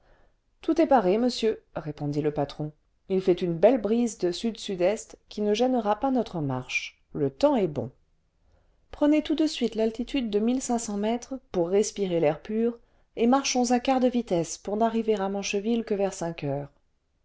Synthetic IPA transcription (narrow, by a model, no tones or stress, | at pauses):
t̪ut̪ɛpaʁeməsjøʁepɔ̃d̪iləpat̪χɔ̃ | ilfɛt̪ynbɛlbʁizd̪əsyd̪syd̪ɛst̪kʲinəʒɛnəʁapanɔt̪χəma̰ʁʃ | lət̪ɑ̃ɛbɔ̰̃ | pχənet̪ud̪əsɥit̪lalt̪it̪ʰyd̪ːəmilsɛ̃sɑ̃mɛt̪χpuʁːɛspiʁelɛʁpyːʁ | emaʁʃɔ̃zɛ̃kaʁd̪əvit̪ɛspuʁnaʁiveʁamɑ̃ʃəvilkəvɛʁsɛ̃kœːʁ